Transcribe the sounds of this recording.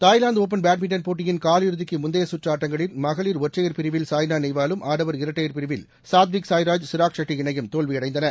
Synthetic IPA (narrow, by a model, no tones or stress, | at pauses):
t̪aːjlaːnd̪oːp̬ɐnbaːʈ̚mɪɳʈɐnpoːʈːɪjɪnkaːlɪɾɯðɪkːɯmʊnd̪ɐjɐsʊʈraːʈːɐŋɡɐɭɪnmɐɣɐɭiːɾɔʈrɐjɐɾpɪɾɪʋɪlsaːjnaːnɛjʋaːlɯmʔaːɽɐʋɐɾɪɾɐʈːɐjɐɾpɪɾɪʋɪl | saːd̪ʋiksaːjɾaːd͡ʒsɪɾaːkʂɐʈːiɪɳɐjɯmt̪oːɭʋiɐɽɐɪd̪ɐnɐ